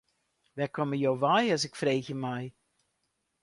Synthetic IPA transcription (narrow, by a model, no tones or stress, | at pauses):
ʋɛkɔməjowʋajəsɪkfrejɣəmɛj